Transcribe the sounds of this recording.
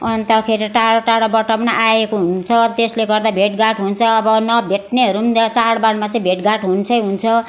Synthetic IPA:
ʌnt̪ʌkʰeɾiʈaɽoʈaɽobʌʈʌmnaʔaekoɦunt͡sʰʌt̪esleɡʌrd̪abʱeʈɡaʈɦunt͡sʰʌːbʌnʌbʱeʈneɦʌɾunt͡saɽbaɽmat͡sʌĩbʱeʈɡaʈɦunt͡sʰʌjɦunt͡sʰʌ

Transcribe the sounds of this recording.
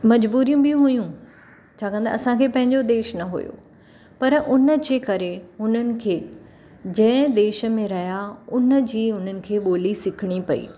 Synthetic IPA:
mɐd͡ʑbuːɾijũɓijũɦʊjũ | t͡ɕʰaːkɐ̃nd̪a̰ɐsãkʰeːpɐ̃ɦɪ̃ɲd͡ʑod̪eːʃnɐɦṵjo̰ː | pɐɾʔʊnə̆d͡ʑeːkɐɾeɦʊn̤ənɪ̆kʰeː | d͡ʑɐ̃ːɪ̃d̪eːʃə̆mẽɾɐɦjaʊnə̆d͡ʑiːʊn̤ənɪ̆kʰeːɓoːlisɪkʰɪɽ̃ipɐḭː

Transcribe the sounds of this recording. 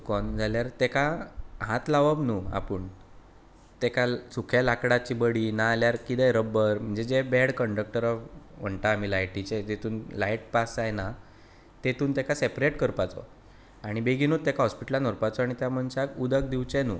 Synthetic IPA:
kɔnd͡zʱaljaɾt̪ekaɦat̪laʋəbnuːa̰pəɳ | t̪ekasukʰjalakɽat͡ɕibəɽinaːljaɾkid̪ɛɾəbəɾm̤əɳd͡zed͡ʑebɛɽkəɳɖək̚ʈəɾam̤əɳt̪amilajʈit͡ɕed͡ʑet̪uːnlaiʈ̚pasd͡zajna | t̪et̪uːnt̪ekasepɾeʈkəɾpat͡sɔ̰ | aɽ̃ibeɡʱinut̪ːekaɦɔspiʈlanɔɾpat͡sɔaɽ̃it̪jaməɳt͡ɕakud̪ək̚d̪iʋt͡ɕɛnṵː

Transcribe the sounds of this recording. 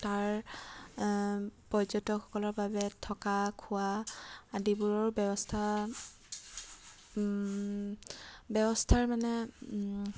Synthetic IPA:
taɹ | pɔzɔtɔxɔ̥kɔlɔɹbabɛtʰɔkakʰʊwaː | dibuɹɔɹubɛbɔstʰa | bɛbɔstʰaɹmanɛ

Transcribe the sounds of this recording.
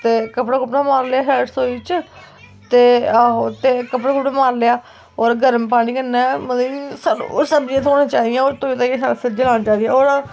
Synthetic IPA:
t̪eːkəpɽaːkʊpɽaːmaːɾleaːɦɛːʈsoːiːt͡ʃ | t̪eːaɦot̪eːkəpɽaːkʊpɽãmaːɾleːaː | oːɾɡəɾəmpaːñiːkənːɛːməisaːo̰səbd͡ʒẽt̪ʰoːnãːt͡ʃaːd̪iɛ̃ːoːɾt̪oːiːt̪aːãːsaːɾaːsɪɾd͡ʒəlaːnãːt͡ʃaːd̪iɛːoːɾa

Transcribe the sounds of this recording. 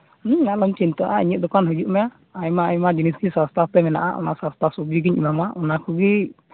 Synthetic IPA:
alɔmt͡ʃint̪ɔʔaḭɲəʔ̪̚d̪ɔkanɦud͡ʒuʔmɛjaː | jmaajmad͡ʒiniskisast̪ʰat̪ɛmɛna̰ʔa̰ʔɔ̰na̰ʔsãst̪ʰasubiɡiɲimamaʔɔnakʰuɡi

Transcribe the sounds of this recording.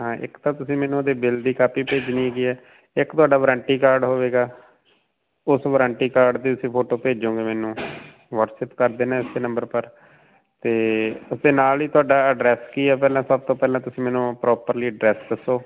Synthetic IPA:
ɦãːʔɪ̰kt̪ãːt̪ʊsĩːmɛːnũːoːd̪eːbɪld̪iːkaːpiːpeːd͡ʒnĩːɦeːɡiːɛː | ɪkt̪ʊaːɖaːʋəɾãːɳʈiːkaːɾɖɦoːʋeːɡaː | ʊsʋəɾə̃ːɳʈiːkaːɾɖd̪iːt̪ʊsĩːpʰoːʈoːpeːd͡ʒõːɡeːmɛːnũː | ʋəɾsɛːpkəɾd̪eːnãːɪseːnə̃mbəɾpəɾ | t̪eːʊsd̪eːnaːliːt̪ʊaːɖaːəɖɾɛːskiːɛːpɛːlãːsəb̚t̪õːpɛːlãːt̪ʊsĩːmɛːnũːpɾɔːpəɾliːəɖɾɛːsd̪əsoː

